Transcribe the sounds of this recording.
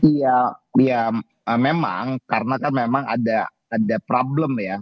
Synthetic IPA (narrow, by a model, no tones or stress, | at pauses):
ijaja | əmema̰ŋkaɾənakanmemaŋa̰daː | dapɾabləmja